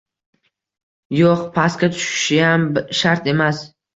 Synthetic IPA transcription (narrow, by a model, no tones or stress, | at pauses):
joqpʰaskʲat̪ʰʊ̥ʃɪ̥ʃɪjambʃaɾt̪e̞mas